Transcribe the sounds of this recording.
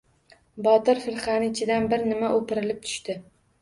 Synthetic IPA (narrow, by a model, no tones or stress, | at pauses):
bɒt̪ɪɾfɪɾχanɪɪt͡ʃʰɪd̪anbɪɾnɪmaʔopɪɾɪlɪp̚t̪ʰʊ̥ʃt̪ɪ